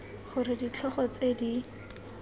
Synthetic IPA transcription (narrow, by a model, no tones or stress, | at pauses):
χʊɾɪdit͡ɬʰɔχɔt͡sedi